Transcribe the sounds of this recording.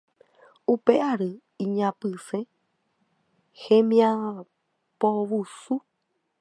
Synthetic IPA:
upeʔaɾɨ | ĩɲãpɨsẽ | hẽmĩã | poβusu

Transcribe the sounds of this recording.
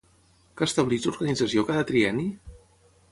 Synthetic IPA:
kəst̪əβlid͡zuɾɣənid͡zəsiokaðət̪ɾiɛni

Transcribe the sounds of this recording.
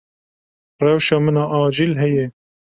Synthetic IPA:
rɛwʃɑːmənɑːʔɑːd͡ʒilɦɛjɛ

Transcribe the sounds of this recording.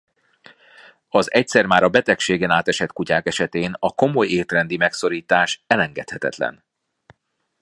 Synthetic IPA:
ɒzɛc̚t̪sɛrmaːɾɒbɛt̪ɛkʃeːɡɛnaːt̪ɛʃɛt̪kucaːkɛʃɛt̪eːnɒko̞mo̞jeːt̪rɛnd̪imɛkso̞ɾiːt̪aːʃɛlɛŋɡɛt̪hɛt̪ɛ̰t̪lɛ̰n

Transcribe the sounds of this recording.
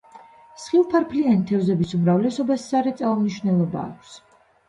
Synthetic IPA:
sχilˠpʰaɾpʰlianit̪ʰɛvzɛbisumɾavlɛsɔbassaɾɛt̪sʼauniʃvnɛlˠɔba̰ːkʷʰs

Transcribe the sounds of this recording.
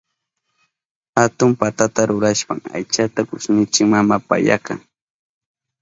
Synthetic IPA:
hat̪ʊmpat̪at̪aɾʊɾaʃpa̰ŋa̰jt͡ʃat̪akʊsnɪt͡ʃɪkmamapa̰ja̰kaŋ

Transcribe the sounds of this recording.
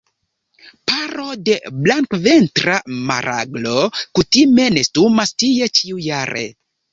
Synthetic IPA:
paɾo̞de̞blaŋkve̞ntɾama̰ɾʔa̰ɡlo̞kutime̞ne̞stumastije̞t͡ʃiujaɾḛ

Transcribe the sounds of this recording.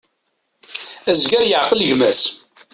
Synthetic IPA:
æzɡæɾjəʕqəlʝmæs

